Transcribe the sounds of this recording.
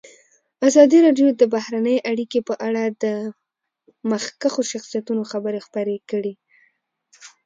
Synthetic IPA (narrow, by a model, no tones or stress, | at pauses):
azɑd̪iɾɑɖjod̪əbahɾanəjʔaɽikepəʔaɽad̪ə | maxkaxoʃaxsijat̪unoxabəɾexpaɾekəɽi